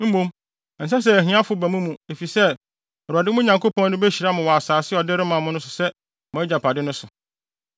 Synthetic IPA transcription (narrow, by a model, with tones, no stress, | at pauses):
m̩˦mõ˦m˨ | n̩˨sa˦s̬ɛ˦æ˨ɦĩ˨˦a˦fʊ˨˦bæ˨mũ˦mũ˨e˨fi˨sɛ˦ | ɔ˨ɾu˨a˨dɪ˦mʊ̃˦ɲã˨ŋkʰo˦pɔ̃˦n˦nɪ̃˦bæ˦ɕi˨ɾa˦mʊ̃˨wɔ˨a˨saː˨sɪ˦ɔ˨dɪ˦ɾɪ˦mã˨mʊ̃˦nʊ̃˦sʊ˨sɛ˦ | mʊ̃˨æ˦d͡ʑa˨pʰa˨dɪ˦nʊ̃˦sʊ˨